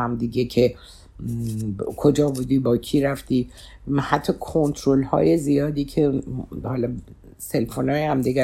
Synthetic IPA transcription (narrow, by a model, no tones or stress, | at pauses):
æmd̪iɟecʰe̞ | kʰo̞d͡ʒɒːbuːd̪iːbɒːcʰiːɾæft̪iː | hæt̪ʰːɒːkʰo̞nt̪ʰɾolhɒ̰ːje̞zijɒːd̪iːcʰehɒːlɒ | se̞lfonɒːjehæmd̪iɡʲæ